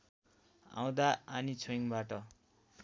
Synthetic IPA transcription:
ã̰w̃d̪aːnit͡sʰoiŋbaʈʌ

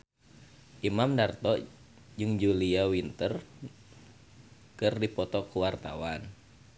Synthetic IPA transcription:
ʔimamdart̪ɔʔ | d͡ʒɨŋd͡ʒuliawint̪ər | kɨrdipɔt̪ɔkuwart̪a̰wan

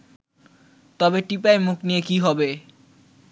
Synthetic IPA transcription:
t̪ɔbeʈip̬aemukniekiɦɔbe

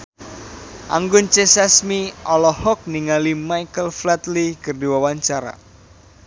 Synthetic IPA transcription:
ʔa̰ŋɡʊnt͡ʃesɛsmiɔlɔhɔk̚niŋalimajkəlflɛt̪likərdiwawaɲt͡ʃaɾa̰

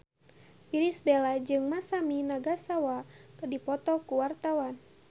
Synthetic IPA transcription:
piɾisbɛlad͡ʒɨŋmasaminaɡasawakədipɔt̪ɔkuwart̪awan

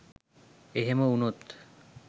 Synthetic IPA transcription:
eɦemounot̪

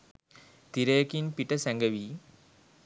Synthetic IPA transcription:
t̪iɾɐjɐkinpiʈɐsæŋɡɐʋi

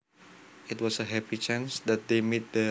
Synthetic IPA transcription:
ɪtwɔsəɦɛpit͡ʃãnsd̪ɛt̪̚d̪emet̪̚də

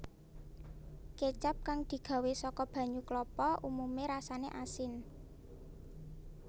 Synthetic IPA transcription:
ket͡ʃap̚kaŋd̪̥i̤ɡ̥a̤wesɔkɔb̥ä̤ɲuklɔpɔʔumumeɾasanḛʔasɪn

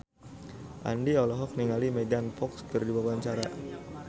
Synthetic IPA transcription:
ʔa̰ndiɔlɔɦɔk̚niŋalimedanfɔkskərdiwawaɲt͡ʃaɾa̰

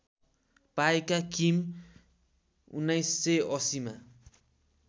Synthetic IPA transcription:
paekakim | ṵnːʌjsːʌjʌsima

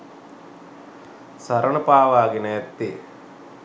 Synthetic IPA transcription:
saɾəɳəpaːʋaːɡenəɛt̪ːi

